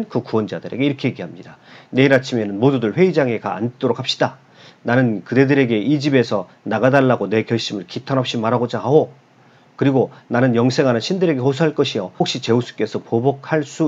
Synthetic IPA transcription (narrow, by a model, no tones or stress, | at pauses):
nkɯkuʌnd͡ʑadɯɾe̞̰ɡe̞iɾʌkʰe̞jeɡiɦamɲidane̞iɾat͡ɕʰime̞nɯnmodudɯɭɸwe̞id͡ʑaŋe̞ka̰ːnt͈oɾok̚hap̚ɕ͈ida | nanɯnkɯde̞dɯɾe̞ɡe̞ʔid͡ʑibe̞sʰʌ | naɡadaɭːaɡone̞kjʌɭɕ͈imɯɭkitʰanʌp̚ɕ͈imaɾaɡod͡ʑaɦo | kɯɾiɡonanɯnjʌŋsʰe̞ŋɦanɯnɕʰindɯɾe̞ɡe̞hosʰuɦaɭk͈ʌɕʰiʌokɕ͈it͡ɕe̞os͈ʰu̥k͈e̞sʰʌpobʌk̚ʰhaɭs͈u